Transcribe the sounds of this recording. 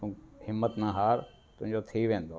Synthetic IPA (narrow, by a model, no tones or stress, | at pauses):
ũhɪmːət̪naːɦaːɾ | t̪ʊɦd͡ʒot̪ʰiʋẽːnd̪o